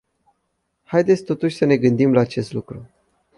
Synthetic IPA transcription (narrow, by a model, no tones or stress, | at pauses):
hajd̪et̪sʲt̪o̞t̪uʃʲsəne̞ɡɨnd̪imlaːt͡ʃe̞st̪lukɾu